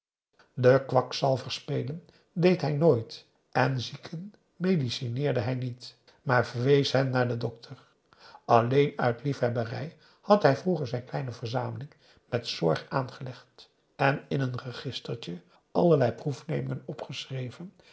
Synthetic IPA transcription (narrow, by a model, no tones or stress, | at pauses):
dəkʋɑksɑlˠvəɹspejlən | dejtɦɛjnoːjt | ʔɛnzikʰən | mejdisinɪːɹdəɦɛjnit | maːɹvəɹʋejsɦɛmnaːɹdədɔk̚tʰəɹ | ɑlejnœɥtlifɦɛbərɛ̰j | hɑtɦɛjvruχəɹzɛjnklɛjnəvəɹzaːməlɪŋ | mɛtsɔɹχaːnχəlɛχt | ɛnɪnɦənrəχɪstəɹtə | ʔɑləɹlɛjprufnejmɪŋənɔpχəsrejvən